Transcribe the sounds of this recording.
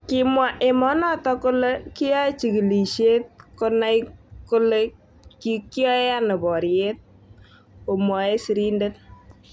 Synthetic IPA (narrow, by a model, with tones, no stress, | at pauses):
kɪ˨mwa˨ʔe˨mɔ˦nɔ˦tɔ˦kʊ˦le˦ki˦jɔ˦e˦t͡ʃi˨ki˨li˨ʃe˦t̚ko˦na˦jko˦le˦ | ki˦kjɔ˦e˦a˦ne˨bɔ˨ɾje˦t̚ | o˨mɔ˨e˦si˨ɾi˦nde˦t̚